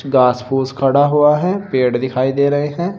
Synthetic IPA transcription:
ɡaːspʰuːskʰəɽaɦʊaɦɛ̃ːpeːɽd̪ɪkʰaːid̪eːɾəɦeɦɛ̃ː

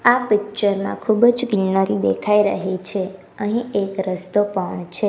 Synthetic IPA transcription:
apɪk̚t͡ʃəɾmã̰kʰubd͡ʒkilnaɾid̪ekʰaiɾə̰ɦet͡ʃʰe | əɦĩekɾəst̪opəɳt͡ʃʰe

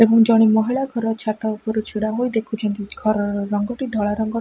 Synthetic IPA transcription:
ebɔŋd͡ʒɔɽ̃imɔɦiɭaɡʱɔɾɔɾt͡ʃʰat̪aupɔɾut͡ʃʰiɽaɦojd̪ekʰut͡ʃʰɔnt̪iɡʱɔɾɔɾɔŋɡɔʈid̪ʱɔɭaɾɔŋɡɔ

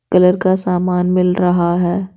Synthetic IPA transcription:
kɐləɾkasaːmaːnmɪlɾɐɦaɦɛː

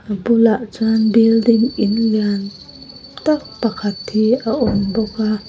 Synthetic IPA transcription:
abulaʔt͡sanbildiŋɪnlian | t̪ak̚pakʰat̪hiaʔɔnbɔka

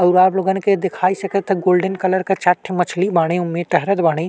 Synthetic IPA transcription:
ɐʊɾaːbloːɡənked̪ɪkʰaːisɐkət̪ʰeɡoːlɖənkɐləɾket͡ʃaːʈʰːemɐt͡ʃʰlibaːɽ̃ẽʊmːeʈɐɦɾət̪baːɽ̃ẽ

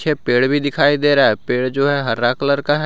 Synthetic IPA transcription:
t͡ʃʰeːpeːɽbʱiːd̪ɪkʰaːiːd̪eːɾɛːpeːɽd͡ʒoːɦɛːɦəɾːaːkləɾkaːɦɛ

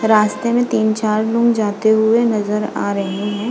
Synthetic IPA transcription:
ɾaːst̪emẽt̪iːnt͡ʃaːɾlʊ̃ŋɡd͡ʒaːt̪eɦʊenɐzəɾa̰ːɾɐɦẽɦɛ̃ː

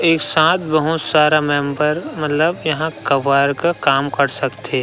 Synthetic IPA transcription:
eːksãːt̪ʰbɐɦʊt̪saːɾamɛ̃ːmbəɾmɐt̪ləbjɐɦãkɐʋaːɾkakaːmkɐɾsɐkt̪e

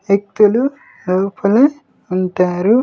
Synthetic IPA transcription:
ek̚t̪ulu | loːpʰɐlɐ | uɳʈaːɾu

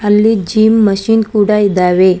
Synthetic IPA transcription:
ɐlːid͡ʒiːmːɐʃinkuːɽaid̪ːaːʋe

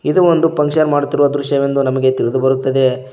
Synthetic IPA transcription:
id̪uond̪upɐŋkʃɐnmaːɽut̪ːiɾuʋɐd̪ɾuʃɐʋend̪unɐmɐɡe̞t̪iɾud̪ubɐɾut̪ːɐd̪e̞

